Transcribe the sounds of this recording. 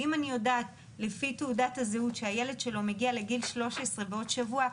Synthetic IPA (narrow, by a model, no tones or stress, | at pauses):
imanijo̞daːt | lefiteudathazeutʃehaje̞le̞d̪ʃe̞lo̞me̞ɡiale̞ɡilʃlo̞ʃesʁe̞beo̞t̪ʃavua